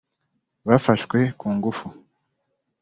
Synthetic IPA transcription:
βafaʃkwe̞kuːŋɡufu

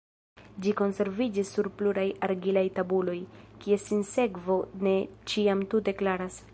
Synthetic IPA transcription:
d͡ʒiko̞nse̞ɾvid͡ʒisːuɾpluɾajaɾɡilajtabulo̞jkie̞sinse̞kvo̞ne̞t͡ʃiamtute̞klaɾas

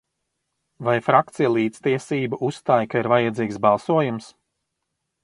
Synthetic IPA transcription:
vajfɾak̚t̪sijlˠiːt̪st̪iɛsiːbaʔusːt̪aːjkaiɾvajad̪ziːksbɑlˠsuɔjums

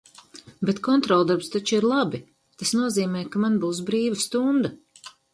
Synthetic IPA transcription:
bet̪kɔnt̪ɾɔːlˠd̪aɾpst̪at͡ʃuiɾlˠabi | t̪asnuɔziːmɛːjkamanbuːs̬bɾiːvast̪und̪a

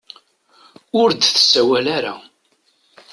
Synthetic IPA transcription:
ʊɾd̪θə̥sːæwælaɾa̰

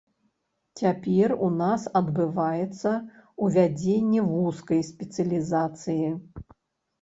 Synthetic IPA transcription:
t͡sʲapʲɛrunasɐd̪bɨvajɛt̪sːɐuvʲad͡zʲenʲːɛvuskɐjsʲpʲɛt̪sɨɐlʲizat̪sɨji

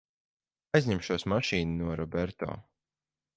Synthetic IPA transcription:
ajzʲɲɛmʃuɔsmaʃiːnnuɔɾɔbɛɾt̪ɔ̰ː

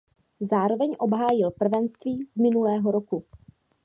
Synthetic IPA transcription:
zaːɾo̞vɛɲʔo̞bɦaːjɪlpr̩vɛnst̪viːzmɪnulɛːɦo̞ɾoku

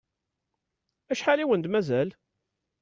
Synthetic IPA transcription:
æʃħaliwənd̪mæzæl

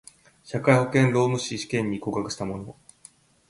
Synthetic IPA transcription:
ɕakaiho̞kẽ̞nɾo̞ːmɯ̟ɕiɕi̥kẽ̞ɲ̟ːiko̞kakɯ̟ɕi̥t̪amo̞no̞

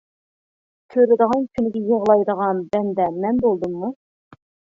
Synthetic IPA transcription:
kʲʰøɾɪd̪əʁɑnkʲʰynɪɡʲɛjəʁlˠɑjd̪əʁɑnbɛnd̪ɛmɛnbolˠd̪ɨmːu

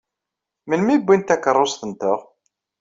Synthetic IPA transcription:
məlmibʷːint̪ækːərˤːosθənt̪ʊʁ

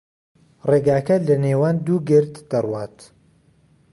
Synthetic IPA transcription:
reːɡaːkɐlɐneːwaːnd̪uːɡɪɾt̪d̪̥ɐrwaːt̪

